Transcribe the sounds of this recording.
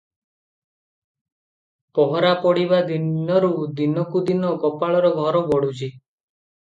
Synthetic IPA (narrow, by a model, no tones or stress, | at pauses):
pɔɦɔɾapɔɽibad̪iɔɾud̪inɔkud̪inɔkɔpaɭɔɾɔɡʱɔɾɔbɔɽut͡ʃʰi